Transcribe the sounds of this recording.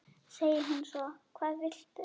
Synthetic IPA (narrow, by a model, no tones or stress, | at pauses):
seːjɪɦunːsɔkʰvaːðvɪl̥t̪